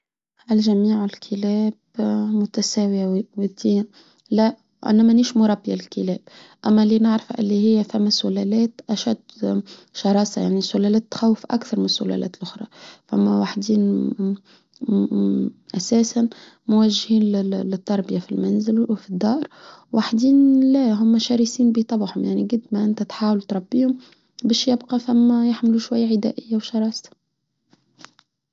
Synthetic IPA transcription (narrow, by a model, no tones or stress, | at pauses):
ʔælʒæmiːʕɪlkʰəlɛːbmʊt̪æsæːwiwt̪i | læ | ʕɪ̰nːæmæniːʃmʊɾˤɑbːjalɪlkəlɛːb̚ | ʔæmːælinɪʕɾfʔɪ̰lːihɪjːæfæmːæsːʊlælɛːt̪ʔæʃæd̪ | ʃɑɾˤɑːsɑja̰ʕnisːʊlælæːt̪ːxæwːəfʔakθɑɾˤmɪnsːʊlæ̰lʔæ̰ːt̪lʔʊxɾˤɑ̰fæmːæwaħd̪iːn | ʔæsæːsan | mʊwæʒhiːnllɪt̪ːɑɾˤbɪjafilmænzɪlwfid̪ːɑːɾˤwaħd̪iːnlæɦʊmːʃɑɾisiːnbit̪ˤɑbħhʊmjaʕniɡʊd̪mæʔɪnt̪æt̪ħaːwalt̪ɾˤɑbːiːhʊm | bɛːʃjɪbqɑfæmːæjaħmluʃwajːaʕɪd̪æ̰ːʔɪjːawʃɑɾˤɑːsḁ